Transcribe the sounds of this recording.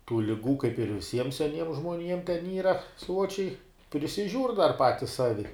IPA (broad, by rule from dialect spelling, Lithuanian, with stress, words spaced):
tuː lʲɪˈɡuː kɐɪp ɪr ʋʲɪˈsʲiɛm sʲɛˈnʲiɛm ʒmoːˈnʲiɛm tʲɛn ˈiːrɐ ˈsuɔt͡ʃʲɛɪ pʲrʲɪsʲɪˈʒʲuːrʲ dɐr ˈpɑːtʲɪs ˈsɑːʋʲɪ